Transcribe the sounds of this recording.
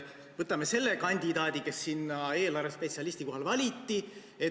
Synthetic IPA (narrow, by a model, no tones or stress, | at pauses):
vɤt̪ːˑɑme̞se̞lːe̞kɑnʲd̪̥ʲid̪ɑːd̪̥ʲike̞sːinːɑe̞ːlɑrvespet̪siɑlisʲt̪iko̞ɦɑlvɑlʲit̪ːi | e̞